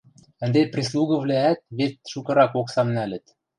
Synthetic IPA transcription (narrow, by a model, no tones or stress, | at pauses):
ɘ̆nd̪eprʲes̬lˠuɣɤ̆vlææt̪̚βet̪̚ʃukɤ̆ɾɑkoksɑmnælɘ̆t̪